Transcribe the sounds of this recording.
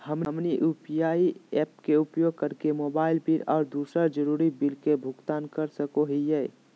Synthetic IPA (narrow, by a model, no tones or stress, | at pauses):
həmmniʔupijaːiɛːp̚keupjoːɡ̚kəɾkemoːbaːɪlbiɾɔːɾd̪uːsəɾd͡ʒəɾuːɾibilkebʱʊɡt̪aːnkəɾsəkoɦijɛ